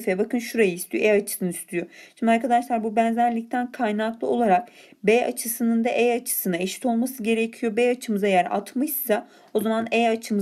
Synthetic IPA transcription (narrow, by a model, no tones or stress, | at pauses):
fɛbakɯnʃuɾajɯist̪ʰijoejat͡ʃʰɯ̥sɯnɯist̪ʰyjoʃimd̪iaɾkʰad̪aʃlˠaɾbubænzæɾlʲic̚t̪ʰænkʰajnaklˠɯo̞lˠaɾak̚beja̰t͡ʃʰɯsɯnɯnd̪aʔejat͡ʃʰɯ̥sɯnaeʃi̥t̪ʰo̞lˠmasɯɟe̞ɾecʰijo̞bejat͡ʃʰɯmɯzajæɾa̰t̪mɯjsa | ozamaneat͡ʃʰɯm